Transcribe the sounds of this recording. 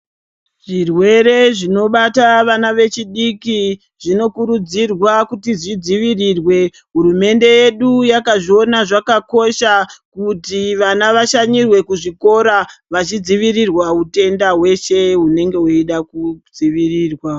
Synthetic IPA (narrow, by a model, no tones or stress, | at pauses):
ʐ̥irwe̞ɾe̞ʐino̞ɓataʋanaʋe̞t͡ʃiɗiki | ʐ̥ino̞kuɾud͡zirwakutiʐid͡ziʋirirwe̞ | ɦuɾume̞nde̞je̞ɗujakaʐio̞naʐakako̞ʃakutiʋanaʋaʃaɲirwe̞kuʐiko̞ɾaʋat͡ʃid͡ziʋirirwaute̞ndaɦwe̞ʃe̞ɦune̞ŋɡe̞uiɗakud͡ziʋiriːrwa